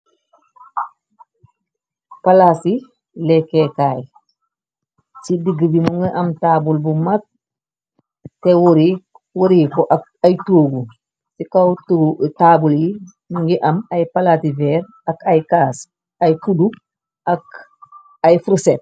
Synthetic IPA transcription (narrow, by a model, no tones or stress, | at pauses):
palasi | lɛkekaːj | sidiɡəbimuŋɡiʔɐmtaːbulbumak̚ | tewuɾi | wuɾikɔʔa | ajtoːɡu | sikawttaːbulji | muŋɡiʔɐmajpalativɛːɾ | ɐkajkaːs | ajkuduk̚ | ak | ajfɾuset̚